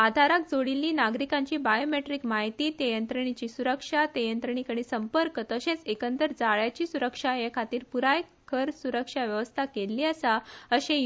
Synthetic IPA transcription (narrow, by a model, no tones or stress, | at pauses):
ad̪ʱaɾak̚d͡zoɽilːiːnaɡɾikãɲt͡ɕiːbajomeʈɾiːkmaɦit̪iːt̪ejənt̪ɾəɳ̃it͡ɕiːsuɾəkʂat̪ejənt̪ɾəɳ̃ikəɽ̃iːsəmpəɾkət̪əɕẽt͡sekənt̪əɾd͡zaɭjat͡ɕiːsuɾəkʂaɦekʰat̪iːɾpuɾaj | kʰəɾsuɾəkʂaʋjəʋəst̪ʰakelːiːəsaəɕẽ